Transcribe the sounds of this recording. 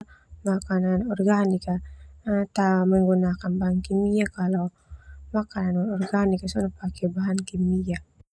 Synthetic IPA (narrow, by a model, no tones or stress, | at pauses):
makananɔrɡanika | t̪aməŋɡunakanbaɦankimijakala | makananɔrɡanikasunapakɛbaɦankimia